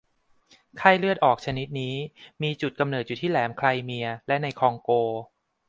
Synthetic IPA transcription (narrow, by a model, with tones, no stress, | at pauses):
kʰa˥˩jlɯ˥˩ət̪ʔɔː˨˩k̚t͡ɕʰa˧ni˦˥t̪̚niː˦˥miː˧t͡ɕu˨˩t̪̚ka˧mnɤː˨˩t̪̚juː˨˩t̪ʰiː˥˩lɛː˩˦mkʰla˧jmi˧ɐlɛ˦˥na˧jkʰɔː˧ŋkoː˧